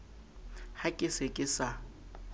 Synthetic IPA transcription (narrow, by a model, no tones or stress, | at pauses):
hakʼɪsekʼɪsa